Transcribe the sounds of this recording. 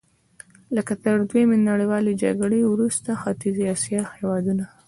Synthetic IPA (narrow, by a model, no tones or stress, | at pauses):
ləkat̪əɾd̪wemenaɽewɑled͡ʒa̰ɡɽewɾust̪axɑt̪ɪziɑsjɑhewɑd̪una